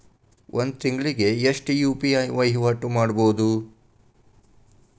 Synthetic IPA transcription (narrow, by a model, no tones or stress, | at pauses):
ʔond̪̚t̪iŋɡɭiɡe̞eʂʈjuːpiɐjʋɐjɦʋaʈumaːɽboːd̪u